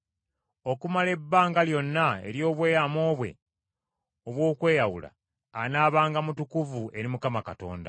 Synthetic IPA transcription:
o̞kumale̞bːaːŋɡaljo̞nːae̞̰ɾjo̞ːβwe̞ːjamo̞ːβwe̞̰ | oβwo̞ːkwe̞ːjawṵla̰ː | naːβaːŋɡamutukuvue̞ɾimukamakato̞̰ːnda̰

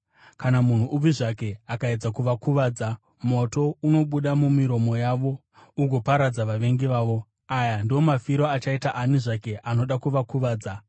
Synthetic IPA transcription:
kanamun̤uʔub͡viʐake̞akaed͡zakuʋakuʋaːd͡za | mo̞to̞uno̞ɓuɗamumiɾo̞mo̞jaʋo̞ | uɡʱopaɾad͡zaʋaʋe̞ŋɡiʋaːʋo̞ | ajandio̞mafiɾoat͡ʃaitaʔaniʐake̞ʔano̞ɗakuʋakuʋaːd͡za

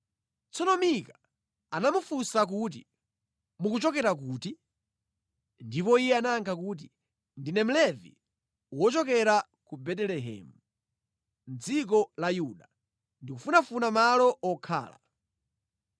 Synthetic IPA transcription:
t͡sɔnɔmika | anamufusak̬ut̬i | mukut͡ʃɔkɛɾak̬uːti | ndipɔijɛanaːŋkʰakuːt̬i | ndinɛm̩lɛvḭ | wɔt͡ʃɔkɛɾa | kubɛtɛlɛɦɛ̰ːmu | n̩d͡zik̬ɔlajuɗa | ndikufunafunamalɔɔkʰa̰ːla̰

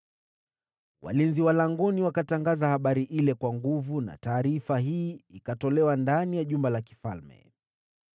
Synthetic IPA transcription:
wʔa̰linziwalaŋɡɔniwakataŋɡazahaɓaɾiʔilɛkwaŋɡuvuna̰taːɾifaɦiːikatɔlɛwandanijaʄumbalaki̥falmɛ̰

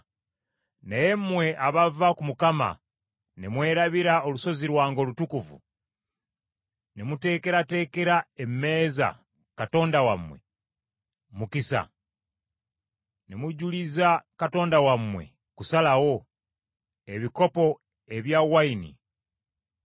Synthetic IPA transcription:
nejemːwe̞ʔaβavakumukama̰ | nemwe̞ːɾaβiɾaoluso̞ziɾwaːŋɡolutukuvṵ | nemute̞ːke̞ɾate̞ːkeɾaemːe̞ːza̰ | kato̞ːndawamwe̞̰ | mukisa̰ | nemuɟulizakato̞ːndawamwe̞̰ | kusalawo̞ | eβiko̞po̞ | eβjawainḭ

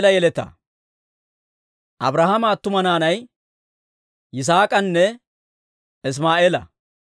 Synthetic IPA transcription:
lɐjɛlɛt̪ɐ̰ | ʔɐ̰bɾahɐmaːt̪ːʊmɐnaːnɐj | jɪs̬aːkʼɐnːɛ | ɪs̬maːʔeːlɐ̰

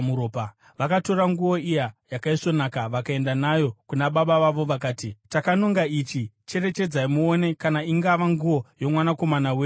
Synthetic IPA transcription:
muɾoːpa | ʋakato̞ɾaŋɡuo̞ijajakaiso̞nakaʋakae̞ndanajo̞kunaɓaɓaʋaʋo̞ʋakaːtitakanoŋɡait͡ʃi | t͡ʃe̞re̞t͡ʃe̞d͡zaimuone̞kanaiŋɡaʋaŋɡuʋo̞jo̞mwanako̞manaweː

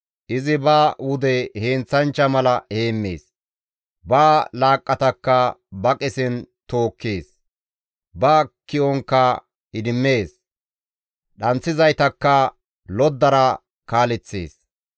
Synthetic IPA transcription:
ʔɪzɪbaːwʊd̪ɛhe̞ːnt͡sːɐnt͡ʃːɐmɐlɐhe̞ːmːe̞̰ːs | baːlaːkʼːɐt̪ɐkːɐbɐkʼɪsɪnt̪o̞ːkːeːs | baːkɪʔɔŋkːɐ | ɪd̪ɪmːeːs | ɗɐnt͡sːɪzɐjt̪ɐkːɐ | lɔd̪ːɐɾɐ | kaːlɛt͡sːḛːs

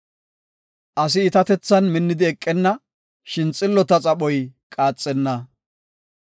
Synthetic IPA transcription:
ʔɐs̬ɪɪt̪ɐt̪ɛt͡sːɐnmɪnːɪd̪ɪɛkʼːɛnːɐ | ʃɪnt͡sʼɪlːɔt̪ɐt͡sʼɐɓɔjkʼaːt͡sʼːɛnːɐ

